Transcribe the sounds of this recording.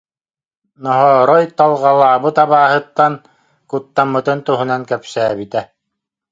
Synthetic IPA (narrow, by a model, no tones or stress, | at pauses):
nɔɦɔːɾɔjt̪alˠʁɑlˠaːbɯt̪aβaːɦɯt̪ːan | kut̪ːamːɯt̪ɯnt̪uɦunankœpsæːbit̪æ